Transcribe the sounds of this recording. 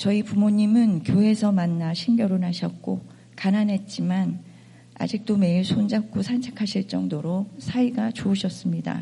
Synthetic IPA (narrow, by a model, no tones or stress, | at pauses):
t͡ɕʌipumoɲimɯnkjoɦe̞sʰʌmanːaɕʰinɡjʌɾonaɕʰʌt̚k͈o | kananɦe̞t̚t͡ɕ͈iman | a̰d͡ʑik̚t͈ome̞iɭsʰond͡ʑak͈ʰosʰant͡ɕʰe̥kʰaɕʰiɭt͡ɕ͈ʌŋdoɾosʰaiɡat͡ɕoːɕʰʌs͈ɯmɲida̰